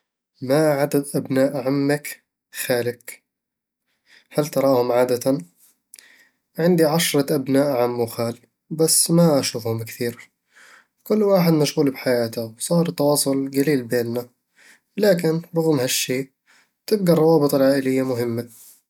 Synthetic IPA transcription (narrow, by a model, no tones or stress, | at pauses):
maʕad̪ad̪ʔabnaːʔʕamːak | xaːlɪk | halt̪ɑɾˤɑːhʊmʕaːd̪at̪a | ʕɪnd̪iʕaʃɾˤɑʔabnaːʔʕamːʊxaːl | basːmaʔaʃuːfhʊmkθiːɾ | kʊlːwaːħɪd̪maʃɣuːlbħajaːt̪awsˤɑːɾˤt̪ːɑwɑːsˤʊlɡaliːlbeːnːa | laːkɪnɾˤʊɣmhaʃːeːʔ | t̪ɪb̚ɡarˤɑwɑːbɨt̪ˤɪlʕaːʔɪlɪjːamʊɦɪmːa